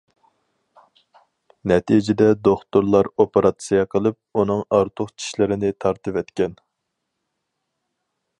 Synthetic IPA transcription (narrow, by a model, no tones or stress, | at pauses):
nɛt̪ʰijd͡ʒɪd̪ɛd̪oχt̪oɾlˠɑɾopeɾɑt̪sɨjɑqʰəlˠɨp̚unɨŋɑɾt̪ʰʊχt͡ʃʰi̥ʃlɪɾɪnɪt̪ʰɑɾt̪ɨvɛt̪kʲɛn